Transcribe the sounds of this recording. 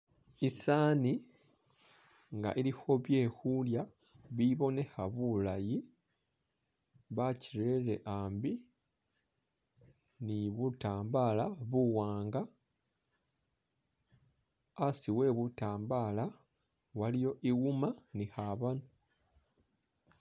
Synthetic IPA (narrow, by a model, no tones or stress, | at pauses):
isaːni | ŋɡa̰ʔiɾiho̞βje̞ːhulja | βiβo̞ne̞haβulaji | βaciɾe̞ɾe̞̰ʔaːmbi | niβutaːmbalaβuwaːŋɡa | siwe̞ːβutaːmbala | walijo̞ʔiɣumanihaβano